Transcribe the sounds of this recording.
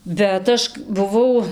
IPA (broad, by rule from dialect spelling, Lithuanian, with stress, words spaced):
bʲɛt ˈɐʃ bʊˈʋɐʊ